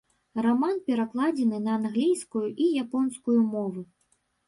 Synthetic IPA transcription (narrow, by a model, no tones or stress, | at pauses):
ramanpʲɛɾaklˠad͡zʲɛnɨnɐːnɣlʲijskujuʔijapɔnskujumɔvɨ